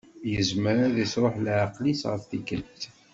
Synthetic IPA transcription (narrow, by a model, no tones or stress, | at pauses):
jəzməɾaðisɾˤoħlʕɑqlisʁəfθikəlt